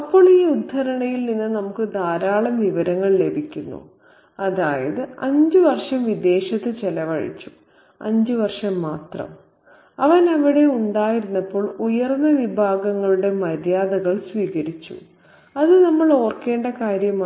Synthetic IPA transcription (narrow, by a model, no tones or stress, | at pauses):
ɐpːo̞ːɭiːud̪ʱːɐɾɐɳɐjilninːɨnɐmukːɨd̪ʱaːɾaːɭɐmʋiʋɐɾɐŋːɐɭle̞bʱikʲːunːṵ | ɐðaːjɐðɨɐɲd͡ʑɨʋɐrʂɐmʋid̪e̞ːɕɐt̪ːɨt͡ɕelɐʋɐɻḭt͡ɕːu | ɐ̰ɲd͡ʑɨʋɐrʂɐmːaːt̪rɐ̰m | ɐʋɐnɐʋiɽe̞uɳɖaːjiɾunːɐpːo̞ːɭujɐrnːɐʋibʱaːɡɐŋːɐɭuɽe̞mɐɾjaːðɐɣɐɭsʋiːɣɐɾit͡ɕːṵ | ɐðɨnɐmːɐɭo̞ːrke̞ːɳɖɐkaːɾjɐma